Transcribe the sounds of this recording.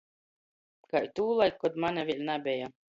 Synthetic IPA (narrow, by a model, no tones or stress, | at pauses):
kajt̪uːlˠajkːɔd̪manʲavʲilʲnabʲɛja